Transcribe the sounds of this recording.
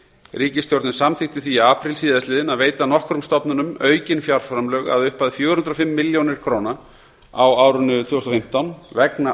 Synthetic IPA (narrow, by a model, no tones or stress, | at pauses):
ɾiːcɪsjowɾt̪nʏsamθɪht̪ɪθviaːpɾilsiːðast̪lɪːðɪnaðveːjt̪anɔhkɾʏmst̪ɔpnʏnʏmœːɥcɪnfjaɾ̥fɾamlœɣa̰ðʏhpaðɪfjœːɾʏhnt̪ɾɔfɪmːɪljownɪɾ̥kʰɾoːwna | a̰waːwɾʏnʏt̪ʰvʏːst̪ɔfɪm̥t̪awnvɛkna